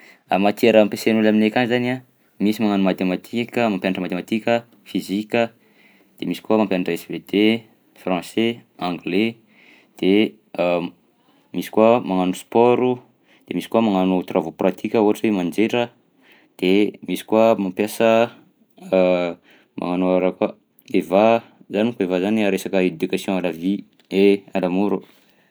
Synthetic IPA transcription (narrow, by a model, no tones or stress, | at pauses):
a̰mat̪eɾəmpesenulaminekʲanizana | misimaŋanumat̪emat̪ʰikʲəmampjanaʈ͡ʂəmat̪emat̪ikʲə | fizikʲə | d̪̥emisi̥kuamampjanaʈ͡ʂəesved̪̥e | frɑ̃seãŋɡle | d̪̥e | misi̥kuəmaŋanuspɔɾu | d̪̥emisi̥kuamaŋanut̪rʔavoprat̪ʰikʲəuɦaʈ͡ʂemand͡ʒeʈ͡ʂə | d̪̥emisi̥kuamampjasə | mʔa̰ŋanoaɾaka | evazanikuevazaniaɾesakəed̪ukasjɔ̃aɾavi | eanamuɾu